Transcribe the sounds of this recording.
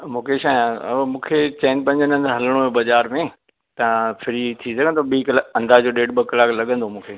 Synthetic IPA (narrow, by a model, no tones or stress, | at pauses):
mũːkʰeʃaːjãːmũːkʰet͡ɕɛːnpɐ̃ɲd͡ʑənən̆ɦɐləɽ̃oẽbɐzaːɾmẽ | t̪ɐ̃fʰɪɾit̪ʰisɐɡə̃nd̪oɓiːklɐ̃nd̪aːd͡ʑoːɗeːʈbɐkɐlaːklɐɠə̃nd̪omũːkʰeː